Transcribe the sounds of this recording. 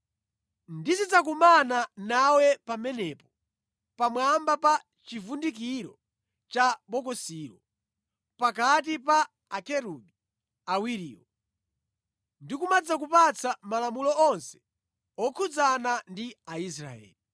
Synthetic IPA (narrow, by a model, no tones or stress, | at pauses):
ndisit͡sakumananawɛpamɛnɛpɔ | pamwambapa | t͡ʃivundik̬iɾɔ̰ | t͡ʃaɓɔkɔsiːɾɔ | pakat̬ipaː | kɛɾubi | awiɾḭːwɔ | ndikumad͡zak̬upat͡sʰamalamulɔɔnsɛ̥ | ɔkʰud͡zanandiais̬ɾa̰ɛ̰ːli